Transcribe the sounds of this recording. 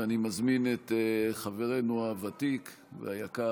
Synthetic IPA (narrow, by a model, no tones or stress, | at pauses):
animazmineteχaveʁe̞nuavatik | vḛajaka